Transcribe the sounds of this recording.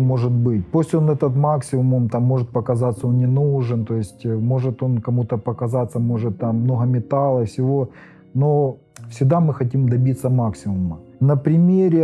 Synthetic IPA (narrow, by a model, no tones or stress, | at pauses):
mo̞ʐɨt̪̚bɨt̚ʲposʲtʲonɛt̪ət̪maksʲɪmʊmmt̪amːo̞ʐɨt̪̚pɐkɐzat̪sːəo̞nnʲɪnuʐɨnt̪o̞jɪsʲtʲmo̞ʐɨt̪o̞nkɐmut̪əpɐkɐzat̪sːəmo̞ʐɨt̪ːamːno̞ɦəmʲɪt̪alˠəfsʲɪvo̞ | no̞ | fsʲɪɡ̚d̪amɨxɐt̬ʲimd̪ɐbʲit̪səmaksʲɪmʊmənɐpɾʲɪmʲeɾʲɪ